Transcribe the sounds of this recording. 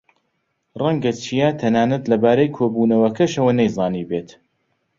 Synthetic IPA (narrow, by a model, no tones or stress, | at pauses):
rɛŋɡɐt͡ʃʰijat̪ʰɐnaːnɐt̪lɐbaːɾɐjkʰoːbuːnɐwɐkʰɐʃɐwɐnejzɑːniːbeːt̪